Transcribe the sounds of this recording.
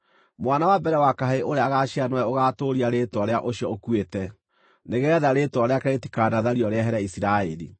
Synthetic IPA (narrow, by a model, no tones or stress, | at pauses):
mwanawabɛɾɛwakaɦeʔoɾeaɣaʃianwɛoɣaːtoɾiaɾetwɔɾeaʔoɕjɔokwetɛ | neɣɛːðaɾetwɔɾeakaeti̥kadaðaɾiɔɾeɛɦɛɾaisiɾaeɾḭ